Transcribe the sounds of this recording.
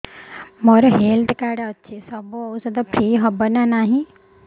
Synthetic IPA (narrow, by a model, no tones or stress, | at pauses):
mɔɾɔɦelt̪kaɽɔtːt͡ʃʰesɔbuɔwsɔd̪ɔpʰɾiːɦɔbɔnanaɦĩ